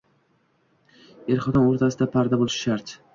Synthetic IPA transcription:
eɾχɒd̪ɒnoɾt̪ʰasɪd̪apʰaɾd̪abolˠɪʃʃaɾt̪

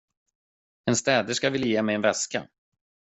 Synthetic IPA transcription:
ɛnst̪ɛːd̪əʂkavɪlːajeːmɛjɛnvɛska̰

